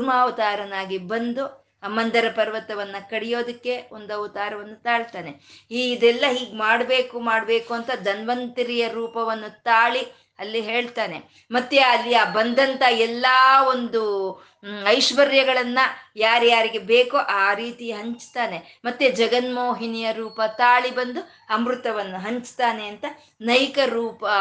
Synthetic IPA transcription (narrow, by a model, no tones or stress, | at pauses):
ɾmaːʋɐt̪aːɾɐnaːɡibɐnd̪u | ɐmːɐnd̪ɐɾɐpɐɾʋɐt̪ɐʋɐnːɐkɐɽijo̞ːd̪ɐkːe̞ond̪uɐʋut̪aːɾɐʋɐnːut̪aːɭt̪aːne̞iːɡid̪ɛlːɐɦiːɡmaːɽbe̞ːkumaːɽbe̞ːkuɐnt̪ɐd̪ɐnʋɐnt̪iɾijɐɾuːpɐʋɐnːut̪aːɭi | ɐlːiɦe̞ːɭt̪aːne̞̰ | mɐt̪ːeɐlːiaːbɐnd̪ɐnt̪ɐɛlːaːo̞nd̪u | ɐjʃʋɐɾjɐɡɐɭɐnːɐjaːɾjaːɾiɡe̞beːkoʔaːɾiːt̪iɦɐɲt͡ʃt̪aːne̞ | mɐt̪ːed͡ʒɐɡɐnmoːɦinijɐɾuːpɐt̪aːɭibɐnd̪u | ɐmɾut̪ɐʋɐnːuɦɐɲt͡ʃt̪aːneɐnt̪ɐ | nɐjkɐɾuːpɐ